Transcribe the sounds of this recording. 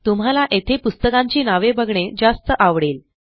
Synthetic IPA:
t̪um̤alaʔet̪ʰepust̪əkãɲt͡ɕiːnaʋebəɡʱɳed͡ʑast̪əʔaʋɽel

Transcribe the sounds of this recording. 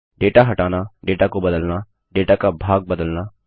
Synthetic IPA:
ɖeːʈaːɦəʈaːnaːɖeːʈaːkobəd̪əlnaː | ɖeːʈaːkabʱaːɡ̚bəd̪əlnaː

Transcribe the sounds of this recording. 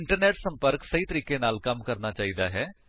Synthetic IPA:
ɪɳʈəɾnɛːʈsə̃mpəɾksəiːt̪əɾiːkeːnaːlkəmkəɾnaːt͡ʃaːiːd̪aːɦɛː

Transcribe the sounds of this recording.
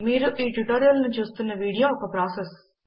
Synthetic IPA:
miːɾuʔiːʈuʈeːɾijɐlɐnut͡ʃuːst̪unːɐʋiːɽijoːɔkɐpɾaːses

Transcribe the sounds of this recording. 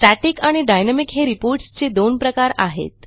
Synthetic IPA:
ʈaʈikaɽ̃iɖajnamikɦeɾipoɾʈst͡ɕed̪onpɾəkaɾa̰ɦḛt̪

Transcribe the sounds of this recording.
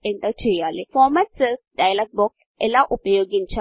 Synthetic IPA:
eɳʈɐt͡ʃɛjːaːlifɔːmaʈselsɖajɐlaɡ̚boks | elaʔupɐjoːɡiɲt͡ʃa

